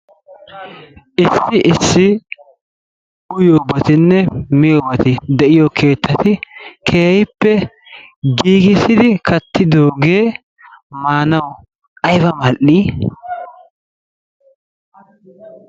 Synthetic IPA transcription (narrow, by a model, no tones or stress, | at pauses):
ʔɪsːɪʔɪsːɪ | ʊjoːbɐt̪ɪnːɛmɪjoːbɐt̪ɪd̪ɛʔɪjokʰe̞ːt̪ʰːɐt̪ɪkʰeːjɪpːɛ | ɡiːɡɪsɪd̪ɪkʰɐt̪ʰːɪd̪o̞ːɡe̞ː | maːnɐw | ɐjbɐmɐʔiː